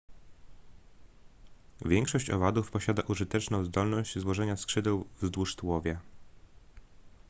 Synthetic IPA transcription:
vʲjɛŋkʂɔɕt͡ɕɔ̰vad̪ufpɔɕad̪aʔuʐɘt̪ɛt͡ʂnɔ̃w̃zd̪ɔlnɔʑd͡ʑzwɔʐɛɲaskʂɘd̪ɛwvzd̪wuʂt̪wɔvʲjɛ

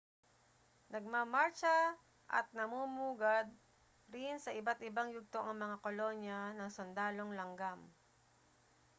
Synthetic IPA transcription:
nɐɡ̚mamaɹt͡ʃɐ | ʔɐ̰t̪̚nɐmumuːɡad̪̚ | ɾɪnsɐʔɪbat̪ʔɪbaŋjʊɡ̚t̪oʔɐŋmɐŋakolonjɐnɐŋsond̪aːlo̞ŋlɐŋɡam

